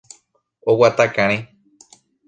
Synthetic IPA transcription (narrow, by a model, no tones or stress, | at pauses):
owat̪akãɾ̃ĩ